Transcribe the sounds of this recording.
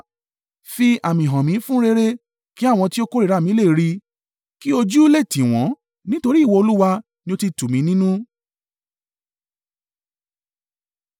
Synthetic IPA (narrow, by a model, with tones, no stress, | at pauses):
fi˧a˨mĩ˨ɦɔ̃˨mĩ˨˦fũ˦ɾe˧ɾe˦ | ki˨˦a˦˨w̃ɔ̃˧ti˦o˦ko˦ɾi˦˨ɾa˦˨mĩ˨˦le˦˨ɾi˧ | ki˦o˧d͡ʒu˦le˦˨tĩ˨w̃ɔ̃˨˦ | nĩ˦to˧ɾi˦˨wo˧o˧lu˦wa˧ | nĩ˧o˧ti˧tu˨mĩ˨˦nĩ˦nũ˦